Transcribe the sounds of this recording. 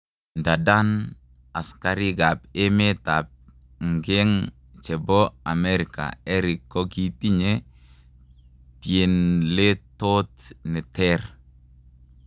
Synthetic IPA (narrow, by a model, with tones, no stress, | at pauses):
nda˨da˦n | a˨ska˨ɾi˦ɡa˨pɪ˦me˦t̪a˨p̚ | ŋɡɛ˦ŋ | t͡ʃɛ˨bɔ˦a̰˨mɛ˦ɾɪ˨ka̰ɛ˦ɾi˨kːɔ˦ki˨ti˦ɲe˦ | tje˨nle˦to˦t̪nɪ˨tɛr